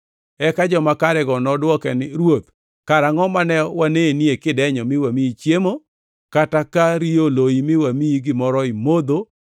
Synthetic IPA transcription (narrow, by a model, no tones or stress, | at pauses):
ɛkad͡ʒɔmakaɾɛɡɔnɔdwɔkɛnɪɾwot̪ | kaɾaŋɔmanɛwaneniekɪdɛɲɔmɪwamiit͡ʃjemo | katakaɾioloimɪwamiiɡɪmɔɾɔɪmod̪o